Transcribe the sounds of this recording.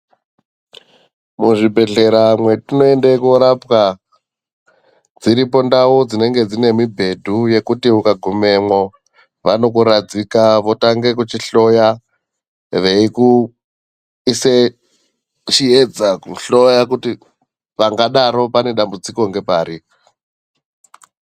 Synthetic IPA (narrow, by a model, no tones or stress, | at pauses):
muʐibʱe̞ɮe̞ɾamwe̞tino̞endekoɾapka | d͡ziɾipo̞ndawod͡zine̞ŋɡe̞d͡zine̞mibʱe̞dʱuje̞kutiukaɡʱume̞mwo | ʋano̞kuɾad͡zikaʋo̞taŋɡe̞k̬ut͡ʃiɬo̞ja | ʋe̞iku | ise | t͡ʃied͡zakuɬojakuti | ʋaŋɡaɗaɾo̞pane̞ɗambud͡ziko̞ŋɡe̞paːɾi